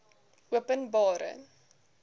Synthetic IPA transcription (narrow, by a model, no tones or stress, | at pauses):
uəpənbɑːɾə̰